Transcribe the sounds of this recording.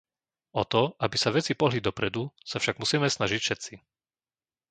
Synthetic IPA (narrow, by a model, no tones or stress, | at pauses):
ɔt̪ɔabisaʋɛt͡sipɔɦlid̪ɔpɾɛd̪usafʃaɡmusiːmɛsnaʒicfʃɛt̪t͡si